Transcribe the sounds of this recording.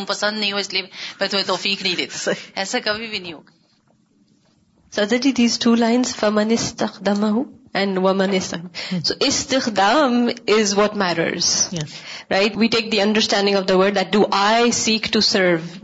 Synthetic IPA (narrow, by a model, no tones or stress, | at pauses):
mpɐsə̃nd̪nɐĩɦoɪslibɐt̪et̪oːfiːknĩːd̪eːt̪ɛːsakɐbʱibʱinĩɦoːɡ | sɐd̪əd͡ʒid̪iːzʈʰuːlãɪ̃nz̥fɐmɐ̃nɪst̪ɐxd̪ɐmɐɦuɛ̃nɖʋɐmɐ̃nɪst̪amsoːʔɪst̪ɪxd̪aːmɪzʋɔʈmæɾə̰ɾz̥ | ɾʔaɪʈʋiːʈeːk̚d̪iʌ̃ɳɖəɾsʈæ̃ɳɖɪ̃ŋɔʋd̪əʋəɾɖ̚d̪æʈ̚ɖuʔaɪsiːkʈusəɾʋ